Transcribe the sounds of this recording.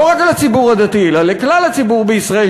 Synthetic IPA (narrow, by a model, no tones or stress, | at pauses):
oʁakalat͡sibuʁad̪at̪ielaleklalat͡sibuʁbeisʁae